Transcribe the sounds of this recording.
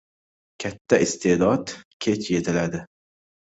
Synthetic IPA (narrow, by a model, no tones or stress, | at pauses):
kʲʰat̪ʰːaɪst̪ʰed̪ɒd̪kʲʰe̞t͡ʃje̞t̪ʰɪlad̪ɪ